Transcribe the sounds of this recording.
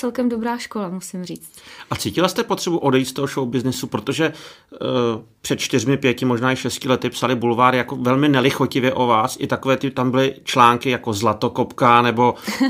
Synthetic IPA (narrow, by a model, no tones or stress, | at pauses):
t͡sɛlkɛmdobɾaːʃkolamusɪmriːt͡st̪ʔat͡siːcɪlast̪ɛpot̪r̥ɛbuʔo̞dɛjit̪st̪oɦoʃowbɪznɪsupɾo̞t̪o̞ʒɛ | pr̥ɛt̪t͡ʃt̪ɪrmɪpjɛcɪmoʒnaːɪʃɛscɪlɛt̪ɪpsalɪbulvaːɾɪjako̞vɛlmɪnɛlɪxocɪvjɛʔo̞vaːsʔɪt̪akovɛːt̪ɪt̪ambɪlɪt͡ʃlaːŋkɪjako̞zlat̪o̞ko̞pkanɛbo̞